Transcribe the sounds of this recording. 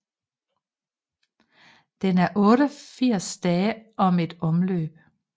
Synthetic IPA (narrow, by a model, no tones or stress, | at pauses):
d̪̥enæɐʔɔːɾəɒfiɐ̰sd̪̥ɛːəʔɒ̽med̥ɔmløːb̥̚